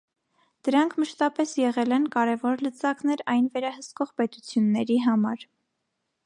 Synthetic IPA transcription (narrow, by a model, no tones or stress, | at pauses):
d̪̥əɾɑŋkʰməʃt̪ɑpɛsjɛʁɛlɛnkɑɾɛvɔɾlət͡sɑknɛɾɑjnvɛɾɑhəskɔʁpɛt̪ut͡sʰjunːɛɾiɦɑmɑɾ